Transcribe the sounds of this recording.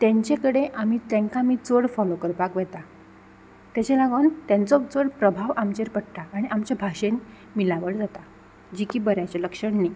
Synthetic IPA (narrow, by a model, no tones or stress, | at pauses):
t̪jɛ̃ɲt͡ɕekəɽeʔamiːt̪ɛ̃ŋkamiːt͡soɽfɔlokəɾpakʋɛt̪a | t̪jat͡ɕalaɡənt̪jãnt͡sɔt͡soɽpɾəbʱaʋamt͡ɕeɾpəɽʈ̪aːɽ̃iʔamt͡ɕabʱaɕen | milaʋəɽd͡zat̪a | d͡ʑikiːbəɾjat͡ɕeləkʂəɳni